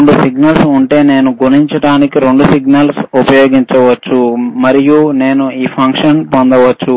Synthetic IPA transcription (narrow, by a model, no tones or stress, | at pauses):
ɳɖusiɡnɐlsuɳʈe̞ːne̞ːnuɡuniɲt͡ʃɐɽaːnikiɾe̞ɳɖusiɡnɐlsupɐjo̞ːɡiɲt͡ʃɐʋɐt͡ʃːumɐɾijune̞ːnuiːpʰɐŋkʂɐnpond̪ɐʋɐt͡ʃːu